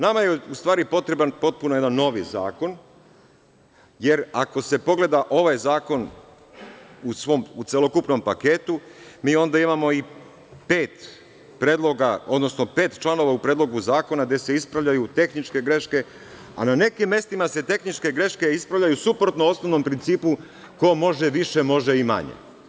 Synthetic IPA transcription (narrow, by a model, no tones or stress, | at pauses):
namajeust̪ʋaːɾipo̞t̪ɾe̞banpo̞t̪̚punoje̞d̪anːo̞ʋḭza̰ːko̞n | je̞ɾako̞se̞po̞ɡle̞d̪aʔo̞ʋajzaːko̞n | usʋo̞mut̪selo̞kupno̞mpake̞t̪umiːo̞nd̪aimamo̞i | pe̞ːt̪ | pɾeːd̪lˠoɡaod̪no̞sno̞pe̞ːt̪t͡ʃlˠano̞ʋaupɾeːd̪lo̞ɡuzaːko̞naɡd̪e̞se̞ispɾaʋʎajut̪e̞xnit͡ʃke̞ɡɾe̞ʃke̞ | a̰nane̞kimːe̞st̪imase̞t̪e̞xnit͡ʃke̞ɡɾe̞ʃke̞ispɾaʋʎʲajusupɾot̪noo̞snoʋno̞mpɾint̪siːpu | ko̞mo̞ʒeʋiʃe̞mo̞ʒe̞ima̰ɲḛ